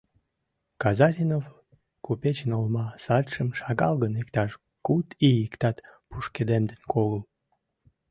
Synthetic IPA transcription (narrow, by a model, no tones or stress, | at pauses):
kɑzɑfʲinov | kupet͡ɕənolmɑsɑt̪ʃəmʃɑɣɑlɣənikt̪ɑʃ | kut̪ijikt̪ɑt̪puʃked̪emd̪enkoɣəl